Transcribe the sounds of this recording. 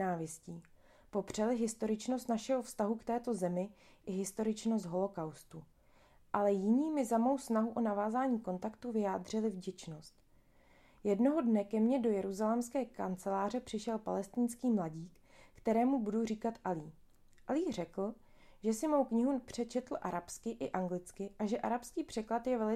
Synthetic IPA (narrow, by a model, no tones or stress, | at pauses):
aːvjɪsciː | po̞pr̝̥ɛlɪɦɪst̪o̞ɾɪt͡ʃno̞st̪naʃɛɦofst̪aɦukt̪ɛːt̪o̞zɛmɪ | ʔɪɦɪst̪o̞ɾɪt͡ʃno̞st̪ɦo̞lo̞kawst̪u | ʔalɛjɪɲiːmɪzamo̞wsnaɦuʔo̞navaːzaːɲiːko̞nt̪akt̪uvɪjaːd̪r̝ɪlɪvɟɛt͡ʃno̞st̪ | jɛdno̞ɦo̞dnɛkɛmɲɛdo̞jɛɾuzalɛmskɛːka̰nt͡sɛlaːr̝ɛpr̥ɪʃɛlpa̰lɛst̪ɪnskiːmlaɟiːkː | t̪ɛɾɛːmubuduriːkat̪ʔaliː | ʔaliːr̝ɛkl̩ | ʒɛsɪmo̞wkɲɪɦupr̝̥ɛt͡ʃɛt̪l̩ʔaɾapskɪʔɪʔaŋɡlɪt͡skɪʔaʒɛʔaɾapskiːpr̥ɛklat̪jɛvɛlɪ